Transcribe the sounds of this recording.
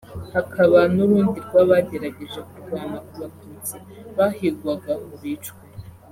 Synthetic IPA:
hakʰaβanuɾuːndiɾɡwaβaɟe̞ɾaɟe̞ʒekuɾɡaːnakuβatuːt͡si | βahiɾɡwaɡauβiːt͡ʃku

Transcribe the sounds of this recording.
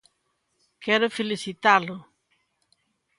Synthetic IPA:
kɛɾʊfelisit̪alʊ

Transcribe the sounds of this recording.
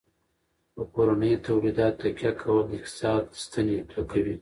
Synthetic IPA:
pəkoɾanəjt̪awlid̪ɑt̪ːakjakʰawəld̪ɪkt̪sɑd̪st̪aneplakawi

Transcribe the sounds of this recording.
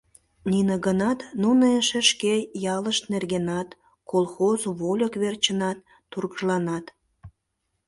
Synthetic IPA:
ninəɣənɑt̪nuneʃĕʃkejɑləʃt̪nerɣenɑt̪ | kolˠxozβolʲəkβert͡ɕənɑt̪ːurɣəʒlɑnɑt̪

